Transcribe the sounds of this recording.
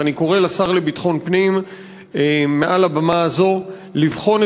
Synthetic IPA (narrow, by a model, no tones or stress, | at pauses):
aniko̞ʁe̞lasaʁlebitχo̞npnim | eme̞ʔalabamaːzo̞ | livχo̞n